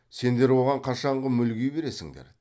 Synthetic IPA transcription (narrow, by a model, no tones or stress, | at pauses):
se̞nd̪e̞ɾwo̞ʁɑɴqʰɑʃɑɴʁəmʏlɡʲejbe̞ɾe̞sɪŋd̪ḛɾ